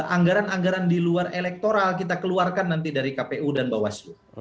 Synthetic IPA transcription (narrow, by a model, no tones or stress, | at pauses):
ʔaŋɡaɾanaŋɡaɾandiluarelɛk̚t̪oɾalkit̪akəluarkanːant̪idaɾikapeudanbawasju